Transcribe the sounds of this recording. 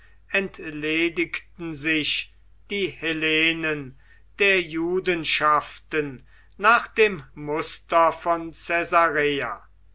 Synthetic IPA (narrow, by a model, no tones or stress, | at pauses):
ɛntleːdɪktn̩zɪʃ | d̥iːheleːnən | d̥eːɐjuːdənʃaftənː | aːχd̪̥eːmmʊstɐfɔnt͡sɛzaʁeːa̰